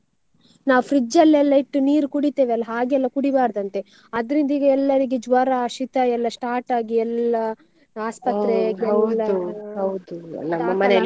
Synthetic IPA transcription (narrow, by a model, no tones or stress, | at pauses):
naːʋpʰɾid͡ʒɐlːɛlːɐiʈːuniːɾukuɽit̪eːʋeɐlːɐɦaːɡɛlːɐkuɽibaːɾd̪ɐnt̪e̞ | ɐd̪ɐɾind̪ɐiɡɐɛlːɐɾiɡed͡ʒʋɐɾaʃit̪ɐɛlːɐsʈaːɾʈaːɡiɛlːɐ | aːspɐt̪ɾɛaːɡeɐlːɐuɐwd̪ṵlnːɐmːɐmɐne